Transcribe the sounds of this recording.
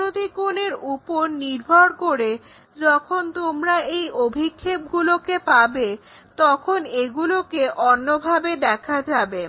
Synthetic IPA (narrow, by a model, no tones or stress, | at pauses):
od̪ikoneɾupoɾniɾbʱɔɾkoɾe | d͡ʑɔkʰont̪omɾaejobʱikʰːeb̚ɡulokepabe | t̪ɔkʰoneɡulokeʔɔnːobʱabed̪ɛkʰad͡ʑabe